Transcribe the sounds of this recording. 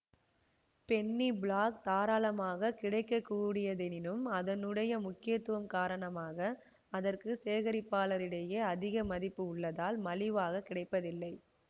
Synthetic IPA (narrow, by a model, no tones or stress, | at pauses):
pɛɳːibɭaːk̚t̪aːɾaːlɐmaːɣɐkɪɽɐɪkːɐkːuːɽɪjɐðɛnɪnɯmɐðɐnɯɽɐjɐmʊkːɪjɐt̪ːɯʋɐmkaːɾɐɳɐmaːɣɐ | ɐðɐrkɯseːɣɐɾɪpːaːlɐɾɪɽɐjɐɐðɪɣɐmɐðɪpːɯʊɭːɐðaːlmɐlɪʋaːɣɐkːɪɽɐɪpːɐðɪlːɐɪ